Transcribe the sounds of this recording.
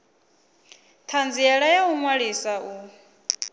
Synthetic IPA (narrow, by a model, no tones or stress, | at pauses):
t̪ʰand͡ziɛɺajauŋwaɺisaʔu